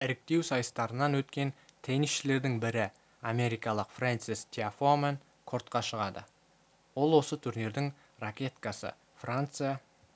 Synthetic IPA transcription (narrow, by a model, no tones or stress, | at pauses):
ɪɾɪk̚t̪e̞wsɑjəst̪ɑɾənːɑnwɵt̪kʲe̞nt̪ʰenisʃɪle̞ɾd̪ɪŋbɪɾɪ | ame̞ɾijkɑlˠəqfrant̪sist̪ʰʲiafomen | kʰo̞ɾt̪qɑʃəʁɑd̪ə̰ | wo̞lˠwo̞sət̪ʰuɾne̞ɾd̪ɪŋ | rakʲe̞t̪kɑsə̰ | frant̪sɨja